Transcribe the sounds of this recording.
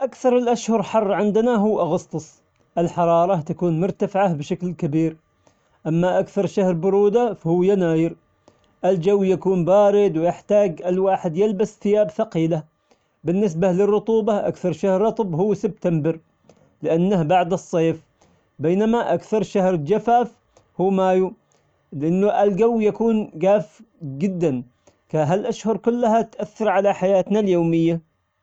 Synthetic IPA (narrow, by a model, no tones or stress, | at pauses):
ʔakθɑɾˤɪlʔaʃhʊɾˤħɑrˤːʕɪnd̪naɦʊwːʔɑɣɑst̪ˤɨsˤ | ʔɪlħɑɾˤɑːɾˤɑt̪akuːnmʊɾt̪afʕabʃaklkabiːɾ | ʔamːaʔakθɑɾˤʃahɾbʊɾuːd̪afahʊːjanaːjɪɾ | ʔɪld͡ʒawːjakuːnbaːɾɪd̪wjɪħt̪aːɡʔɪlwaːħɪd̪jɪlbasθɪjaːbθɑqiːla | bɪnːɪs̬balɪrːʊt̪ˤuːbɑʔa̰kθɑɾˤʃahɾːɑt̪ˤbɦʊwːsɪb̚t̪ambɪɾ | lɪʔanːahbaʕd̪ɨsˤːeːf | beːnamaʔakθɑɾˤʃahɾd͡ʒafaːf | huːmaːju | lɪʔanːʊʔɪlɡawːjakuːnɡaːfd͡ʒɪd̪ːan | kaɦalʔaʃhʊɾˤkʊlːɦat̪ʔaθːɑɾˤʕalaħajaːt̪naljoːmɪjːa